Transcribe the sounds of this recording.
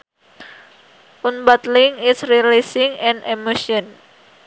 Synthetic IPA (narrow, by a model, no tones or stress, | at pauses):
ʔunbat̪liŋɪsɾilisɪŋɛ̃nɛmoʃɔn